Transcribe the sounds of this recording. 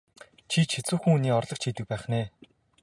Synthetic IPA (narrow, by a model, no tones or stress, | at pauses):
t͡ɕʰit͡ɕʰet͡suːxɘ̆ŋuniːɔrɮɞ̆kt͡ɕʰiːt̪ɘ̆k̚pæːχneː